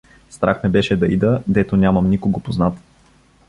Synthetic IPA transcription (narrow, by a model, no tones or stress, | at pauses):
st̪ɾʔaxmɛbɛʃɛd̪ɐid̪əd̪ɛt̪onʲamɐmnikoɡopoznat̪